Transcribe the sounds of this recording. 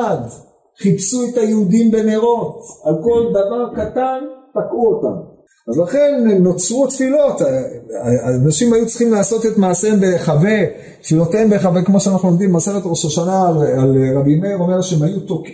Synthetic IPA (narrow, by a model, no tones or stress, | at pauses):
ad | χipsuetajeud̪imbe̞neʁo̞talko̞ldavaʁkatantakʁuota̰m | azlaχe̞nːot͡sʁut̪filo̞t̪ | anaʃimajut͡sχimlaːso̞t̪et̪maːsembeχave̞ | t̪filo̞t̪ejmbeχavekmo̞ʃeanaχnulomd̪imːaseʁet̪ʁoʃaʃanaalʁabineʁo̞meʁʃeemajut̪ok